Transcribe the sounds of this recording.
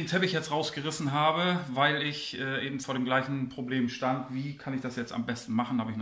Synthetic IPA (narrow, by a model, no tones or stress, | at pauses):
ntʰɛpɪçjɛt͡stʁaʊsɡ̥əʁɪsn̩ɦaːbəvaɪlɪçʔɛːʔeːbm̩foːɐɾeːmɡlaɪçn̩pʁ̥obleːmʃtantv̥iːkʰanɪçd̥asjɛt͡sta̰mbɛstn̩maχn̩haːbəɪçn